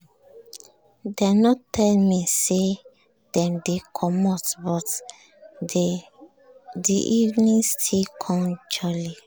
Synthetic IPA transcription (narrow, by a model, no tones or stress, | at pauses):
dɛnɔtʰɛlmise | dɛ̃mdekʰɔmɔtbɔt | dḭʔivnĩŋstʰilkʰɔ̃nd͡ʒli